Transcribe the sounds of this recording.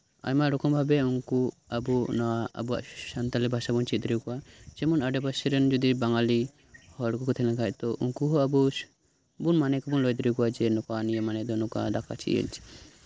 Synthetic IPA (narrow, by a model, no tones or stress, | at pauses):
a̰jmaʔɾɔkɔmbʱabɛuŋku | abunaa̰bua̰ʔsant̪alɛbʱasabunt͡ʃid̪ɾikɔwat͡ʃɛmɔnaɖɛbʱasɛɾɛnd͡ʒud̪ibaŋali | hɔɽkukɔt̪ʰɛlakac̚t̪ɔʔuŋkuɦɔabu | bunmanɛkɔbunlɔjd̪ɾikɔwad͡ʒɛnɔkanijamanɛd̪ɔnɔka̰d̪aka̰t͡ʃʰḭə̰ɲt͡ʃi̥